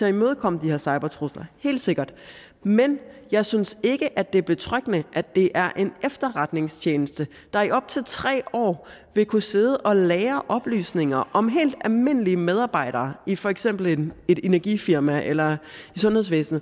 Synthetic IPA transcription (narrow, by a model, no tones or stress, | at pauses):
t͡sʰe̝imøːð̞ˠkʰɒ̽m̰d̥iheɐsɑ̈ɪb̥ɐt͡sʰʁoslɐhe̝̰ːld̥se̝ɡ̥ɐd̥ | menjɑ̈ɪsynse̝ɡ̥əʔæd̥e̝b̥e̝t͡sʰʁœɡ̥ənəʔæd̥e̝ʔæɐʔe̝nefd̥ɐʁäd̥ne̝ŋst͡ɕʰeːnəsd̥ə | d̥ɑ̈æɒ̽b̥̚t͡sʰe̝lt͡sʰʁɛ̰ːɒ̰ː | ʋe̝kʰuse̝ð̩ˠʔɒ̽lɛːɐʔɒ̽b̥ly̰ːsne̝ŋɐʔɒ̽mɦe̝̰ːld̥ælme̝n̰əliəmeð̞ˠɑ̈ːb̥ɑ̈ɪ̰ɾ̥ɐːifɒ̽eɡ̥sem̰b̥l̩ene̝ɾ̥e̝næɐɡ̥ifiɐmæʔelɐisɔ̽nheð̞ˠsʋḛːsn̩ˠ